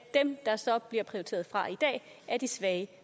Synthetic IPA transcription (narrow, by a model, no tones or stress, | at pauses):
d̥emd̥ɑ̈sɒ̽b̥liɐpʰʁiot͡sʰe̝̰ːɐðˠfʁɑ̈id̥ɛ̰ːæɐd̥isʋɛː